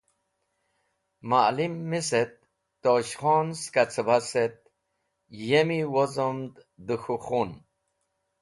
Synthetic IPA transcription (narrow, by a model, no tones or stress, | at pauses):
malimːiset̪̚ː | oɕχonskat͡sʰəbaset̪̚ | jemiwozomd̪ | d̪uxuχun